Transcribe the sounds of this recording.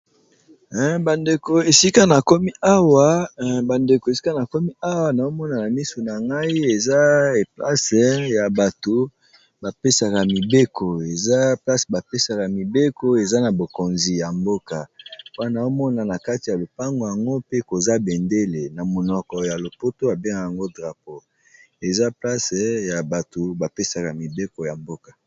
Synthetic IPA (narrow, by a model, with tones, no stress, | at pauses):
ba˨nde˨ko˨e˨si˦ka˦na˨kɔ˦mi˦ʔa˦wa˨ba˨nde˨ko˨e˨si˦ka˦na˨kɔ˦mi˦a˦wa˨na˨o˦mɔ˦na˨na˨mi˦so˨na˨ŋɡa˦i˦e˨za˦˨pla˦sja˨ba˨to˨ | ba˨pe˦sa˨ka˨mi˨be˦ko˨e˨za˦pla˦sba˨pe˦sa˨ka˨mi˨be˦ko˦e˨za˦na˨bo˨ko˨nzi˨ja˨mbo˦ka˨˦a˦na˨o˦mɔ˦na˨na˨ka˦ti˨ja˨lo˨pa˦ŋɡo˨ja˨ŋɡo˦pe˦ko˨za˦be˨nde˦le˨na˨mo˨nɔ˨kɔ˨ja˨lo˨po˦to˦a˨be˦ŋɡa˨ja˨ŋɡo˦dʁa˨p̚o˨ | e˨za˦pla˦se˨ja˨ba˨to˨ba˨pe˦sa˨ka˨mi˨be˦ko˨ja˨mbo˦kḁ˨